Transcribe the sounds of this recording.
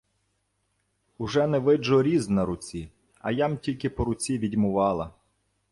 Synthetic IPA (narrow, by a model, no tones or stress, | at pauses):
ʊʒɛnɛʋɪd͡ʒɔɾʲiznɐɾʊt͡sʲi | ɐ̰jamtʲilʲkɪpɔɾʊt͡sʲiʋʲidʲmʊʋɑlˠɐ̰